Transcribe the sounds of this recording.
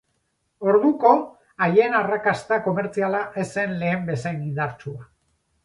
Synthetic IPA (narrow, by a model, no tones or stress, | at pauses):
o̞ɾðuko̞ | ajenarakast̪ako̞me̞ɾt͡sialaʔe̞se̞nle̞ːmbe̞sajnind̪aɾt͡sua